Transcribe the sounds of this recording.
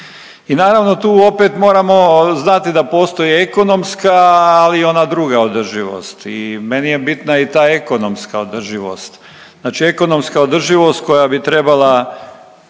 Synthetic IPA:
inaːɾaʋno̞t̪uːo̞pe̞t̪mo̞ːɾamo̞znat̪id̪apo̞ːst̪o̞jieko̞no̞mskaːlio̞nad̪ɾuɡaod̪r̩ʒiʋo̰st̪ime̞nije̞bit̪nait̪aːe̞ko̞nomskaod̪r̩ʒiʋo̞̰st̪ | aːt͡ʃie̞ko̞no̞mskaod̪r̩ʒiʋo̞st̪̚ko̞jabit̪ɾe̞bala

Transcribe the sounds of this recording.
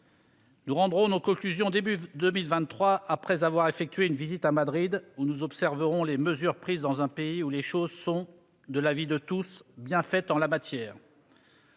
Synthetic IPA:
nuʁɑ̃d̪ʁɔ̃nokɔ̃klyzjɔ̃d̪ebyd̪əmilvɛ̃t̪ːχwaapχɛzavwaʁefɛk̚t̪ɥeynvizit̪amad̪ʁid̪unuzɔpsɛʁvəʁɔ̃leməzyʁpχizd̪ɑ̃zɛ̃peiuleʃozsɔ̃ | d̪əlavid̪ət̪usbjɛ̃fɛt̪ɑ̃lamat̪jɛːʁ

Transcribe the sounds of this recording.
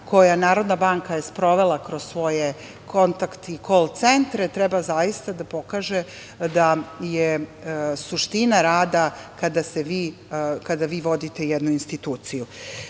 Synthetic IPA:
ko̞janaːɾo̞d̪nabaŋkajespɾo̞ʋe̞lˠakɾo̞zsʋo̞je | kʰo̞nt̪akt̪ikolt̪se̞nt̪ɾet̪ɾɛbazajist̪ad̪apo̞kaːʒe | d̪aje | suʃt̪inaɾaːd̪akad̪aseʋiː | kad̪aʋiːʋo̞d̪it̪e̞jɛd̪nuinst̪it̪uːt̪siju

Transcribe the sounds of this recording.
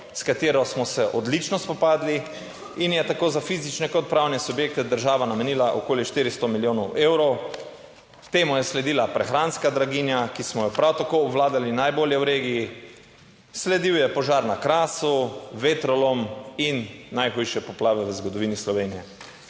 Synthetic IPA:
skat̪eːɾɔsmɔsɛʔɔd̪lit͡ʃnɔspɔpaːd̪li | injɛt̪akoːzafiːzit͡ʃnɛkɔt̪̚pɾawnɛsubjeːk̚t̪ɛd̪əɾʒaːʋanamɛniːlaʔokoːliʃt̪iːɾist̪ɔmiljoːnɔwʔeːwɾɔw | t̪eːmujɛslɛd̪iːlapɾɛxɾaːnskad̪ɾaɡiːnjakismɔjɔpɾawt̪akoːbʋlaːd̪alinajboːljɛwɾeːɡiji | slɛd̪iwjɛpɔʒaːɾnakɾaːsuʋet̪ɾɔlominːajxujʃɛpɔplaːʋɛʋəzɡɔd̪ɔʋiːnislɔʋeːnijɛ

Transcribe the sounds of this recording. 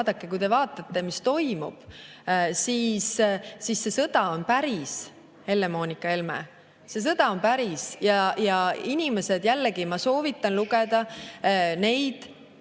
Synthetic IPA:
d̪ɑkːˑekujd̪e̞vɑːt̪ːˑɑt̪ːˑe̞mist̪o̞jmṵb̥ | siːssisːe̞sɤd̪̥ɑo̞npæɾis | he̞lːe̞mo̞ːnʲikːˑɑe̞lmḛ | se̞s̬ɤd̪̥ɑo̞npæɾisjɑjɑinʲime̞se̞d̪̥jælːeɡimɑso̞ːvit̪ːˑɑnluɡed̪̥ɑ | ne̞jd̪̥

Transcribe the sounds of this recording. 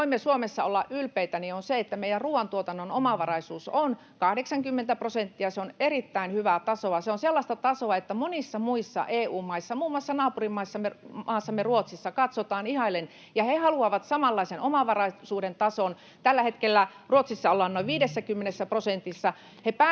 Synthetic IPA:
imːesuomesːɑolːɑʔʔylpeit̪ænionseet̪ːæmeijærruːʋɑnt̪uot̪ɑnːonomɑʋɑrɑisuːson | kɑhdeksɑŋkymːent̪æprosent̪ːiɑseonerit̪ːæinhyʋæt̪ɑsoɑseonselːɑst̪ɑt̪ɑsoɑet̪ːæmonisːɑmuisːɑ̰ʔeːuːmmɑisːɑmuːmːoɑsːɑnɑːpurimmɑisːɑmeɑːsːɑmːeruot̪sisːɑkɑt̪sot̪ɑːnihɑilːen | jɑhehɑluɑʋɑt̪sɑmɑlːɑisenomɑʋɑrɑisuːdent̪ɑson | t̪ælːæhet̪kelːæ | ruot̪sisːɑolːɑnnoiʋiːdesːækymːenesːæprosent̪isːɑ | hepæ

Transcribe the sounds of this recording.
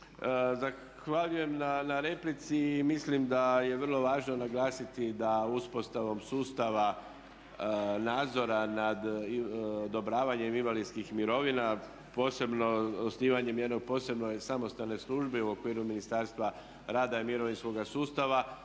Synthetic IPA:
za | xʋaʎuje̞mnanaɾe̞plit̪simislimd̪ajeʋərlˠo̞ʋaːʒno̞naɡlˠaːsit̪id̪auspo̞st̪aʋo̞msuːst̪aʋa | naːd̪zo̞ɾanad̪ | od̪o̞bɾaːʋaɲe̞minʋalinskixmiɾo̞ʋina | po̞ːse̞bno̞osniːʋaɲe̞mje̞d̪no̞ɡ̚po̞ːse̞bno̞jsamo̞st̪alne̞slˠuːʒbeuo̞kʋiːɾuminist̪aɾst̪ʋa | ɾaːd̪aimiɾo̞ʋinsko̞ɡasuːst̪aʋa

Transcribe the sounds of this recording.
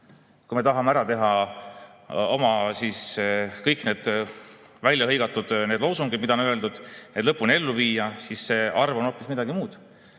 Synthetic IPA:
kujme̞t̪ɑɦɑmeæɾɑt̪e̞ɦɑ | o̞mɑsiːskɤjkne̞ːd̪̥ | vælʲjɑɦɤjɡ̥ɑt̪ːˑud̪̥ned̪̥lowsuŋɡid̥̪mid̪̥ɑonøld̪ud̪̥ed̪lɤpːˑune̞lːuviːjɑsisse̞ːɑrvo̞no̞ːpːˑismid̪ɑɡimuːd̪̥

